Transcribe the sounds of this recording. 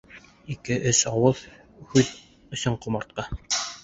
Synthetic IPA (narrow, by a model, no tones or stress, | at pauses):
ikɘʔɘsɑwɤð | hʉð | ɵ̆sɘɴqŭmɑɾt̪̚qɑ